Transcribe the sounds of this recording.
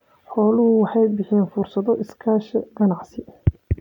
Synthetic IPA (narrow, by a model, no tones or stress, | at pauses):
ħɔːlʊɦʊwɑħɑjbɪħɛːnfʊrsɐðɔʔɪskʰaːʃɐɡɐnɑʕsɪ